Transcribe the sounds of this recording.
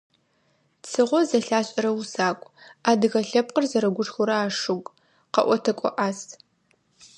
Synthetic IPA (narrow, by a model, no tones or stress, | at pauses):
t͡sʰɨʁʷɔzɐɬaːɕʼɐɾɐwusaːkʷʼaːdɨɣɐɬɐp̚qərzɐɾɐɡʷʊʂxʷʊɾɐaːʂɨɡʷʼ | qɐ̰ʔʷɔtʰɐkʷʼɔ̰ʔaːs